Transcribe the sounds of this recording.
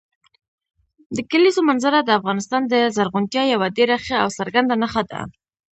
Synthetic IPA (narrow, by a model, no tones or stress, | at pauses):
d̪əkalizomanzaɾad̪əafɣɑnɪst̪ɑnd̪əzaɾɣʊnt̪jɑjawad̪eɾaxaawsəɾɡand̪anaxad̪a̰